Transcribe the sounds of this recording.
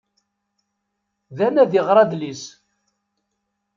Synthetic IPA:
ðænæðiʁɾˤɑd̪lis

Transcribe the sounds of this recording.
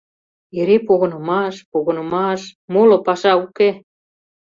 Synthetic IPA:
eɾepoɣə̆nɤ̆mɑʃpoɣə̆nɤ̆mɑʃmolŏpɑʃɑuke

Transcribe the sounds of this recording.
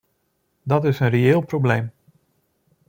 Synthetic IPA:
dɑtɪsənreɪːlˠprowblejm

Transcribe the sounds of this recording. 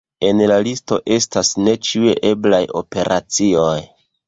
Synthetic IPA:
e̞nlalisto̞ʔe̞stasne̞t͡ʃieʔe̞blajo̞̰pe̞ɾʔa̰t͡sio̞j

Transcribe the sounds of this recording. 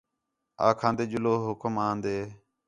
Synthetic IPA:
a̰ːkʰãːnd̪eːd͡ʒʊloːɦʊkəmãːnd̪eː

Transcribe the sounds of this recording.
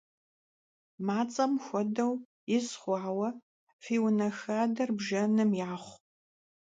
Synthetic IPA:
maːt͡sʼɐmxʷɔdɐw | jɪzχʷɑːwɐ | fiːwnɐxaːdɐrbʒɐnɨmjaːχʷ

